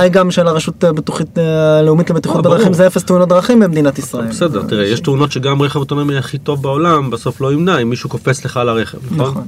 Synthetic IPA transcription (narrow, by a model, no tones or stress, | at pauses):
ajɡamʃeːlaʁaʃutbetuχitleumit̪leet̪iχut̪ad̪ʁaχimzeefest̪unot̚dʁaχimbemd̪inat̪isʁaebesed̪eʁt̪iʁejeʃt̪uno̞tʃeɡamʁeχevot̪onamiaχit̪o̞vbaolambaso̞flo̞imnaimːiʃukofet͡sle̞χalaʁe̞χevnaχnoχnn